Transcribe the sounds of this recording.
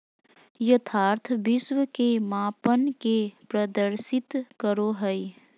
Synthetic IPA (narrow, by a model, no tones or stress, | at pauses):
jət̪ʰaːɾt̪ʰbɪswəkemaːpənkepɾəd̪əɾsɪt̪kəɾoɦəi